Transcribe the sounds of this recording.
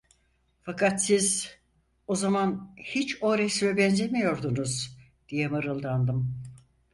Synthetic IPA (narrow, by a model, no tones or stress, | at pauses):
fakʰat̪siz | o̞zamanhit͡ʃo̞ɾɛsmɛbɛnzʲemijo̞ɾd̪unuz | d̪̥ijɛmɯɾɯlˠd̪and̪ɯm